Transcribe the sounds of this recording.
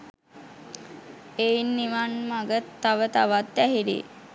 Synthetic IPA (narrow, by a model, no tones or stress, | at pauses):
einːiʋanmaɡət̪ːaʋət̪aʋat̪̚d̪æɦiɾḭ